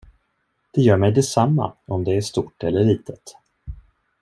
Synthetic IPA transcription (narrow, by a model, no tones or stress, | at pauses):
d̪̥ɛjœːɾmɛjd̪ɛsamːa̰ɔmd̪ɛæʂt̪uːʈːɛlːəɾɭiːt̪ʰət̪